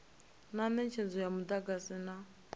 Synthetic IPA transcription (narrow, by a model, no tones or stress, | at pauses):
namɛnt͡ʃʰɛnd͡zɔjamud̪aɡasina